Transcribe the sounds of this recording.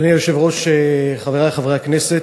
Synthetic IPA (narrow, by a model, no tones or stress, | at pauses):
nioʃevʁo̞ʃeχaveʁaleχavʁejaknese